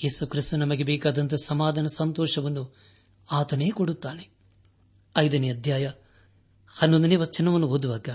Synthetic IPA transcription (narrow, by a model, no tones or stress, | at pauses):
je̞ːsukɾist̪unɐmɐɡebɛːkaːd̪ɐnt̪̬ɐsɐmaːd̪ʱɐnɐsɐnt̪ɔːʂɐʋɐnːu | aːt̪ɐne̞ːkoɽut̪ːaːne | ɐjd̪ɐniɐd̪ʱjaːjɐ | hɐnːond̪uneːʋɐt͡ʃinːɐʋɐnːuɦoːd̪uʋaːɡɐ